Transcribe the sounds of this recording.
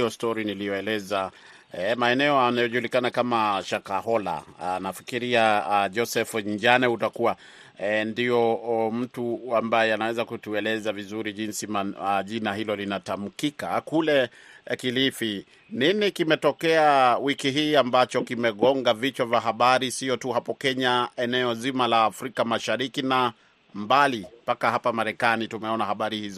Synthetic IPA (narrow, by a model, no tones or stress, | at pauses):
ɔstɔɾinilijɔɛlɛza | ɛmaɛnɛɔanajɔʄulikanakamaʃakaɦɔla̰nafi̥kiɾiad͡ʒɔsɛfɲd͡ʒanɛhutakuwa | ndiɔm̩tuambajɛanawɛzakutuɛlɛzavizuɾiʄinsimaʄinaɦilɔlinatam̩kikakulɛ | kilifi | ninikimɛtɔkɛawikiɦiːambat͡ʃɔkimɛɠɔŋɡavit͡ʃavaɦaɓaɾisiɔtuhapɔkɛɲaɛnɛɔzimalaːfɾikamaʃaɾikina | mbalimpakahapamaɾɛkanitumɛɔnahaɓaɾihizɔ